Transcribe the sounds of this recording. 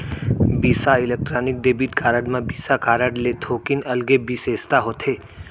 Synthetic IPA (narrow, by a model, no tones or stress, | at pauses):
biːsaɪlek̚ʈɾaːnɪk̚ɖ̪eːbiʈkʰaːɾəɖmãbiːsakaːɾəɖlet̪ʰoːkɪnɐlɡebʱiseːst̪aɦoːt̪ʰeː